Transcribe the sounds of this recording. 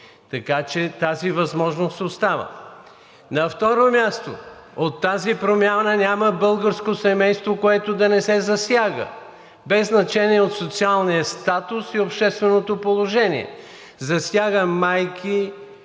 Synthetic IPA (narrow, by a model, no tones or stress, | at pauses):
t̪ɐkat͡ʃɛt̪azivɐzmɔʒnost̪ost̪avə̰ | nɐft̪ɔɾomʲjast̪o̰ot̪ːazipɾomʲjanənʲaməbɤlˠɡəɾskosɛmɛjst̪vokoɛt̪od̪ɐnɛsɛzɐsjaɡə̰ | bɛzːnɐt͡ʃɛniɛot̪sot̪sialˠnijəst̪at̪ʊsiopʃt̪ɛst̪vɛnot̪opolˠoʒɛniɛ̰ | zɐsjaɡəmajkʰi